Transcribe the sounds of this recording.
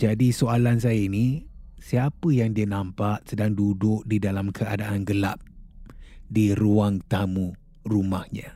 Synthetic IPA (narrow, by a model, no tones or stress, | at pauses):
d͡ʒadisoalans̬ajəinisiapəjaŋdiənãmpaʔsədaŋdudʊk̚didalamkʰəadaʔanɡəla̰p̚ | diɾuaŋt̪amu | rumahɲã